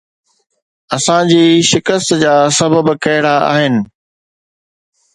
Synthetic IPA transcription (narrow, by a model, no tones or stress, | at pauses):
ɐsãd͡ʑiːʃɪkəst̪d͡ʑaːsɐbəbkɐɦɪɽaa̰ːɦɪnɪ̆